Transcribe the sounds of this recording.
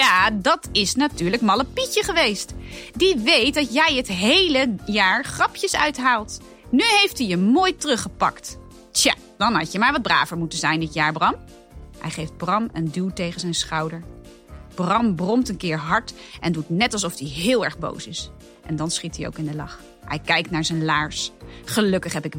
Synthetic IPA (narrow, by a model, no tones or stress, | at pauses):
jaːdɑtɪsnatyːɹləkmɑləpicəχəʋejstdiʋejt̚dɑtjɛjɦətɦejləjaːɹχrɑpjəsœɥtɦaːlˠt | nyɦejftijəmoːjtrɵχəpɑ̰kt | tja̰ | d̥ɑnɦɑ̰cəmaːɹʋɑd̚bra̰ːvəɹmutənzɛjndɪtjaːɹbrɑm | hɛ̰jχejfd̚brɑmə̰ndylˠtejχənzɛjnsχɑwdəɹ | b̥rɑmbrɔmtənkɪːɹɦɑɹtʔɛndutnɛtɑlsɔfdiɦɪːlˠɛɹχbo̰wsɪs | ʔɛ̰ndɑnsχitio̰wkɪndəlɑ̰χ | hɛjkɛjk̚tnaːɹzɛjnlaːɹsχəlɵkəχɦɛpɪk